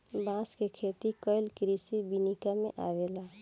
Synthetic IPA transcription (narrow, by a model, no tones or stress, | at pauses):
bãːskekʰeːt̪ikəɪlkɾisibinikamḛ̃ʔa̰ʋelaː